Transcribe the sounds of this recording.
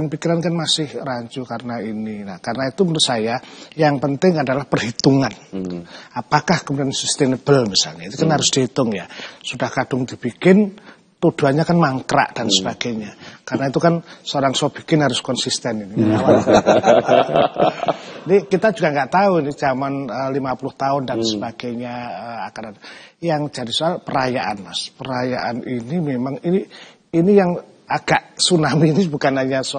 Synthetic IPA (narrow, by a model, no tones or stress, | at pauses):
anpikiɾankanmasɪhraɲt͡ʃukarənaininakarənait̪umətusajajaŋpənt̪ɪŋadalahpərhit̪uŋan | apakahkəmudansist̪ɛnəb̥əlmisa̰lɲait̪ukanɦaɾʊsd̥et̪ʊŋja̰sud̥ahkad̥ʊŋdi̤b̥ikɪn | t̪ud̥ṳanɲakanmaŋkɾa̰ʔd̥ansəb̥aɡ̥aɲakarənait̪ukansəoɾaŋsɔb̥i̥kɪnɦaɾʊskɔnsist̪ɛninimaawa | inikit̪ḁd͡ʒuɡaŋɡaʔt̪auini̥d͡ʒamanəlimapulʊht̪aʊndansəbaɡ̥ajɲaəa̰kadanjaŋd͡ʒadisoalpəɾajaʔa̰nmaspəɾajaʔa̰ninimemaŋini | inijaŋ | aɡ̥aʔsunaminib̥ukanaɲaso